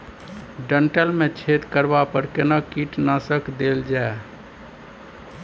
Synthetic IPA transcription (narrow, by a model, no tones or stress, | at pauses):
ɖəɳʈəlmẽt͡ʃʰet̪kəɾbapəɾkenakiʈnasəkd̪eld͡ʒae